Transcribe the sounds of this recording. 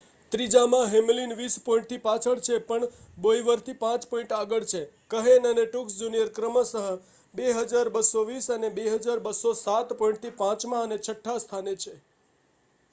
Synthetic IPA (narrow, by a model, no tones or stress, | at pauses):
t̪ɾid͡ʒamãɦemlinʋispõĩɳʈ̚t̪ʰipat͡ʃʰəɭt͡ʃʰepəɳ | boiʋəɾt̪ʰipãt͡ʃpoĩɳʈaɡəɭt͡ʃʰe | kəɦenəneʈuksd͡ʒunijəɾkɾəməsəɦə | beɦəd͡ʒaɾbəsoʋisənebeɦəd͡ʒaɾbəsosat̪poĩɳʈ̚t̪ʰipãt͡ʃmãənet͡ʃʰəʈʰːast̪ʰanet͡ʃʰe